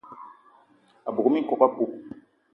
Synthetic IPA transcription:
a˨bo˨ɡo˦mĩ˦kɔ˦ka˦bo˦

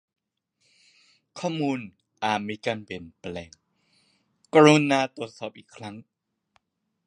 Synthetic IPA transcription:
kʰɔː˥˩muː˧n | ʔaː˨˩miː˧kaː˧npi˨˩ənplɛː˧˩ŋ | ka˧ɾu˧naː˧t̪u˨˩t̪̚sɔː˨˩p̚ʔiː˨˩kʰɾa˦˥ŋ

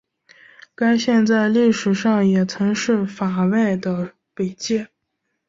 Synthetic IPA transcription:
ka˥ɪɕjɛ˥˧nt͡sa˥˧ɪli˥˩ʂɻ̩˨˩ʂɑ˥˩ŋjɛ˨˩t͡sʰɤ˧˥ŋʂɻ̩˥˩fa˨˩we˥˩ɪd̪ə˩ | pe˨˩ɪt͡ɕjɛ˥˩

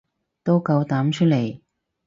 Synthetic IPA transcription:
t̪o˥wkɐ˧wt̪aː˨˥mt͡ʃʰɵ˥t̚le˨˩j

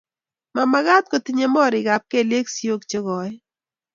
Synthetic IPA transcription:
ma˨ma˨ɣa˦t̪̚ko˨t̪i˦ɲe˦mɔ˦˨ɾɪ˨ɡa˨p̚ke˦˨le˦ksi˦o˦kt͡ʃe˦ɡɔ˨˦

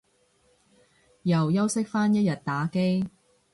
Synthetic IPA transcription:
jɐ˨˩wjɐ˥wsɪ˥k̚faː˥njɐ˥t̚jɐ˨t̚t̪ːaː˨˥ke˥j

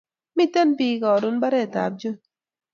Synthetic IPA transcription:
mi˦tɛ˦npiː˦kɔː˨ɾu˦n˦ba˦ɾe˦˨ta̰˨p̚d͡ʒɨ˦

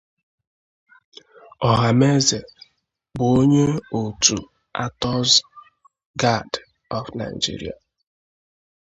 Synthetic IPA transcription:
ɔ˨ɦa˨me˦ze˨ | bʊ˨o˦ɲe˦o˨tu˨ | a̰˦tɔ˦z | ɡa˦d | ɔ˨fna̰˨ɪ̰˨d͡ʒḭ˦ɾḭ˨a̰˨

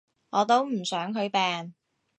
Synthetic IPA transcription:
ŋɔː˨˧t̪o˥wm̩˨˩sœː˨˥ŋɦɵ˨˧ɥpɛː˨n

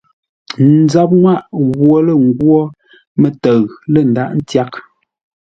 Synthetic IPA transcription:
n˨˦d͡za˦p̚ŋwa˦ʔɣwɔ˨lə˦ŋ̩˦ɡwɔ˦ | mə˦˨tə˨ɣlə˦˨n̩˨da˦˨ʔn̩˦tja˦k̚

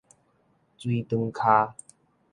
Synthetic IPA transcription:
t͡swi˦˧t̪ɨ˧ŋkʰa˧

